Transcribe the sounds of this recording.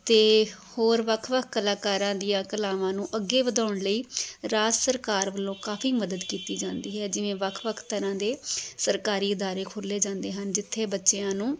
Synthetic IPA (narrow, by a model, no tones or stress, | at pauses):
t̪eːhoːɾʋəkʰʋəkʰkəlaːkaːɾãːd̪ijãːkəlaːʋãːnũːʔəɡːeːʋəd̪aːʊɳləiːɾaːd͡ʒsəɾkaːɾʋəlõːkaːfʰiːməd̪əd̪kiːt̪iːd͡ʒãːnd̪iːɦɛːd͡ʒɪʋẽːʋəkʰʋəkʰt̪əɾãːd̪eːsəɾkaːɾiːɪd̪aːɾeːkʰoːlːeːd͡ʒãːnd̪eːɦənd͡ʒɪt̪ʰːeːbətːʃeãːnũː